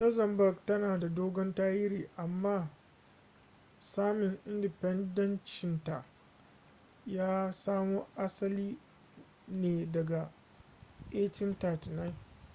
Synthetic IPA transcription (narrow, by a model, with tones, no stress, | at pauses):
lɐ˦zɐ˨mbɐ˦˨ɡtɐ˦naː˨da˨doː˦ɡɔ˦ntaː˦jɪ˦ɾiː˨ʔa˨mːaː˦ | saː˦mɪ˨ŋʔɪ˦ndɪ˨pɛ˦ndɐ˦nt͡ʃɪ˨nta˨ʔ | jaː˦saː˦muː˦ʔa˦sɐ˦liː˦ | neː˨dɐ˨ɡa˨ | ʔeː˦tɪ˦nta˨tna˦˨n